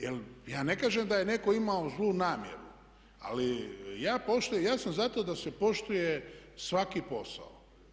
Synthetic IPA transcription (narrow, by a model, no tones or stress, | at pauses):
jeljaːne̞kaːʒemd̪aje̞ne̞ko̞imaozlˠuːnaːmjḛɾṵ | a̰lijaːpo̞ʃt̪ujejaːsamzat̪o̞d̪ase̞po̞ʃt̪ujesʋakipo̞sa̰o